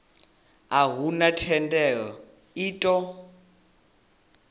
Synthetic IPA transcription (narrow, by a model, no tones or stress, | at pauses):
aɦunatʰɛndʼɛɺɔ | iːtʼɔ